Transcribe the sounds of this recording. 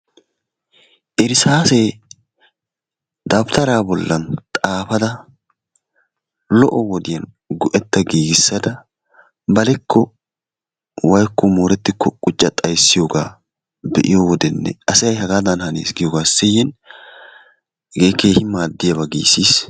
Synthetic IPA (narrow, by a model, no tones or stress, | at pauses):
ʔɛɾɪsaːse | d̪ɐbt̪ʰɐɾaːbɔlːɐnt̪ʼaːfɐd̪ɐ | lɔʔɔwɔd̪ɪjɐn | ɡʊʔɛt̪ːɐɡiːɡɪsːɐd̪ɐ | bɐlɛkʰːɔ | wɐjkːɔmoːɾɛt̪ːɪkːɔkʼʊt͡ʃʼːɐt̪ʼɐjsːɪjoːɡaː | bɛʔɪjowɔd̪ɛnːɛ̰ɐsɛjɐjhɐɡaːd̪ɐnhɐnḛːsɡɪjoːɡaːsɛjɛn | ɡeːkːeːhɪmːaːd̪ːɪjɐbɐɡḭːsiːs